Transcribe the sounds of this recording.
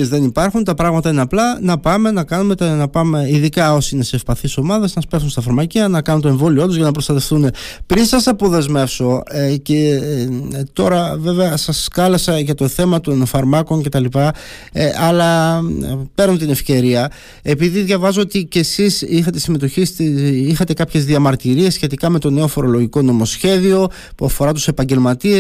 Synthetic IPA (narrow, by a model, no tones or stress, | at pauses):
zðe̞nipɐɾxunt̪ɐpɾɐɣmɐt̪ɐineɐplɐnɐpɐme̞nɐkɐnume̞t̪nɐpɐme̞iðikɐo̞siineseːfpɐθiso̞mɐðɐsnɐspesumst̪ɐfɐɾmɐciɐnɐkɐnut̪oeɱvo̞lioot̪ozʝɐnɐpɾost̪ɐt̪efθune̞pɾinsɐsɐpo̞ðe̞zme̞fso̞ece | t̪o̞ɾɐve̞ve̞ɐsɐskɐlɐsɐʝɐt̪o̞θe̞mɐt̪o̞nfɐɾmɐko̞ŋce̞t̪ɐlipɐ | ɐlɐ | pe̞ɾnot̪ine̞fce̞ɾiɐ | e̞piðiðʝɐvɐzoot̪ice̞sisixɐt̪esime̞t̪o̞çist̪iixɐt̪e̞kɐpçe̞zðiɐmɐɾt̪iɾie̞sçe̞t̪ikɐme̞t̪o̞ne̞ofo̞ɾo̞lo̞ʝiko̞no̞mo̞sçe̞ðio̞ | puɐfo̞ɾɐt̪u̥se̞pɐɲɟe̞lmɐt̪i